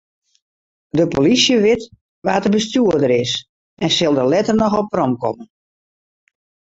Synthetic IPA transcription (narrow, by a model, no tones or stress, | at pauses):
dəpolisjəʋɪt | ʋaːtəbəstjuədəɾɪs | ɛnsɪlˠdəlɛtərnɔxɔpərɔmkɔ̰mən